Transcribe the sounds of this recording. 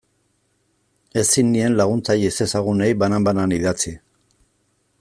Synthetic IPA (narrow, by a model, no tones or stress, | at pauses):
e̞sinːie̞nlaɣ̞unt͡saʎese̞saɣune̞jβanambananiðat͡si